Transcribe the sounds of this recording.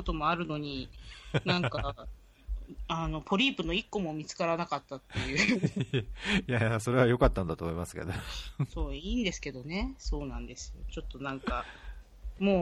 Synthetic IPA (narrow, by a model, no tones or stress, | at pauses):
ot̪o̞mo̞aɾɯ̟no̞ɲ̟inãŋka | ano̞pʰo̞ɾʲiːpɯ̟no̞ikːo̞mo̞mʲit͡sɨ̥kaɾanakat̪ːat̪ːe̞jɯ̟ | jaso̞ɾe̞βajo̞kat̪ːand̪at̪omo̞imasɨ̥ke̞̰d̪oso̞ːiːnd̪e̞sɨ̥ke̞d̪o̞ne̞so̞ːnãnd̪e̞sɨ̥jo̞̰t͡ɕo̞t̪ːo̞nãŋka | mo̞ː